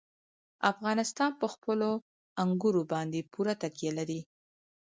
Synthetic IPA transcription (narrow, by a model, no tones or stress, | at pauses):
afɣɑnɪst̪ɑnpəxpəlo | aŋɡuɾobɑnd̪epuɾat̪akjalaɾi